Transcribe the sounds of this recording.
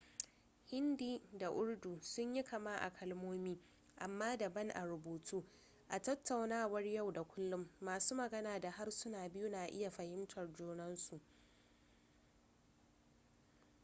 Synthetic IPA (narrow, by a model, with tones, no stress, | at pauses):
hɪ˦ndiː˦da˨ʔʊ˦ɽduː˨sʊ˦ɲji˦kʰɐ˨maː˦ʔa̰˨kʰɐ˦lmoː˦miː˦ | ʔa˨mːaː˦da˨bɐ˦ŋʔa˨ɾʊ˨boː˨tʰuː˦ | ʔa˨tɐ˦tːa˨wnaː˦wɐ˦rja˦˨wda˨kʷʊ˦lːʊ˦mːaː˨suː˦mɐ˨ɡɐ˦naː˨da˨ha˦rsʊ˦naː˨bɪ˦ju˦naː˨ʔɪ̰˦ja˨ɸɐ˨hɪ˦mtʰɐ˨rd͡ʒuː˦nɐ˦nsu˨ʔ